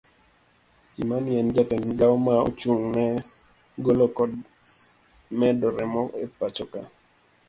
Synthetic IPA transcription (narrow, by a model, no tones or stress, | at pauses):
imanɛnd͡ʒatɛnɡawmao̰t͡ʃuŋnɛ | ɡolokɔd̚ | mɛdɔɾɛmɔḛpat͡ʃɔka